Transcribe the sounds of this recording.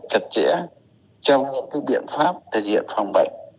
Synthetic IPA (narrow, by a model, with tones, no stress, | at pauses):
t͡ɕə˨˩t̚t͡ɕɛ̰˧˥ | t͡ɕɔ˧wŋ͡mɲɨ̰˧˥ŋkaː˨˦jɓḭ˧˨ənfaː˦˥p̚t̪ʰk̚hḭ˧˨ənfa˧˩wŋ͡mɓə̰˧˨jŋ̟